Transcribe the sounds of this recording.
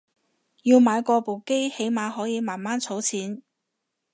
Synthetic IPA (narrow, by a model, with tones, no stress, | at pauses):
jiː˧wmaː˨˧jkɔː˧po˨wke˥jhe˨˥jmaː˨˧hɔː˨˥jiː˨˧maː˨˩nmaː˥nt͡sʰo˨˥wt͡sʰiː˨˥n